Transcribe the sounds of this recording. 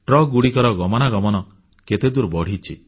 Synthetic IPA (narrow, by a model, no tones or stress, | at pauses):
ʈɾɔɡuɽikɔɾɔɡɔmɔnaɡɔmɔnɔ | ket̪ed̪uɾbɔɽ̤it͡ʃʰḭ